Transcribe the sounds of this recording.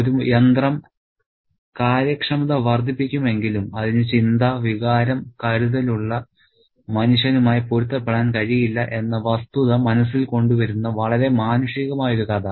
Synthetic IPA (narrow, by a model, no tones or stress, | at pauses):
oɾujend̪rɐm | kaːɾjɐkʂɐmɐðɐʋɐrd̪ʱːipːikʲːume̞ŋɡilumɐðinɨt͡ɕind̪ɐʋiɣaːɾɐmkɐɾuðɐluɭːɐ | mɐnuɕɐnumaːjipoɾut̪ːɐpːeɽaːnkɐɻijilːɐʔe̞nːɐʋɐst̪uðɐmɐnɐs̬ːilko̞ɳɖuʋɐɾunːɐʋɐɭɐɾe̞maːnɐʂiɣɐmaːjoɾukaːd̪a